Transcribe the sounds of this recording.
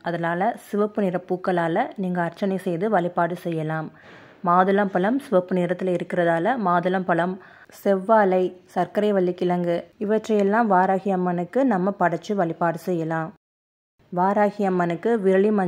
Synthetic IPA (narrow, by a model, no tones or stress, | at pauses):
ʔɐðɐnaːlɐsɪʋɐpːɯnɪɾɐpːuːkːɐɭaːlɐniːŋɡɐːɾt͡ʃːɐnɐɪsɛjðɯʋɐɭɪpːaːɽɯsɛjːɐlaːmː | aːðɯlɐmpɐɭɐmsɪʋɐpːɯnɪɾɐt̪ːɪlɐɪɾɯkːɪɾɐðaːlɐmaːðɯlɐmpɐɭɐm | sɛʋːaːlɐɪsɐɾkɐɾɐɪʋɐlːɪkːɪlɐŋɡɯɪʋɐʈrɐjɛlːãːʋaːɾaːɣɪjɐmːɐnɯkːɯnɐmːɐpɐɽɐt͡ʃːɯʋɐɭɪpːaːɽɯsɛjːɐlãːm | ʋaːɾaːɣɪjɐmːɐnɯkːɯʋɪɾɐɭimɐ